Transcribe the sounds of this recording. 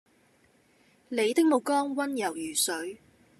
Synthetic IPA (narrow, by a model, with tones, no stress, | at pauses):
le˨˧jt̪ɪ˥k̚mo˨˧wkɔː˥ŋwɐ˥njɐ˨˩wjyː˨˩sɵ˨˥ɥ